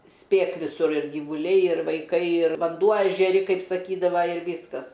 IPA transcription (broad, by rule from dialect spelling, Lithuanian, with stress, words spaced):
ˈsʲpʲeːk ʋʲɪˈsʊr ɪr ɡʲiːʋʊˈlʲɛɪ ɪr ʋɐɪˈkɐɪ ɪr ʋɐnˈduɔ ɛʒʲɛˈrʲɪ ˈkɐɪp sɐˈkʲiːdɐʋɐ ɪr ˈʋʲiːskɐs